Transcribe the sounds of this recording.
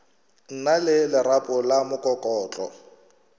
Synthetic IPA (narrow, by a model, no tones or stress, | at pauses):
n̩nalɪlɪrapʼʊlamʊkʼɔkʼɔːt͡ɬʼɔ̰